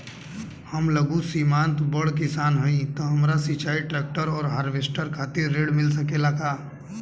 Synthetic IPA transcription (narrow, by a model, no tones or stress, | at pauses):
həmləɡũsimãːnt̪bəɽkɪsaːnɦəĩt̪ɔɦəmɾasit͡ʃaːiʈɾɛːk̚ʈəɾɔːɾɦaːɾʋesʈəɾkʰaːt̪ɪɾːeːɽmɪls̬əkelakaː